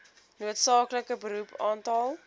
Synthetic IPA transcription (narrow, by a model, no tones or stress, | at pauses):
nuətsɑːkləkəbəɾupʰɑːntɑlˠ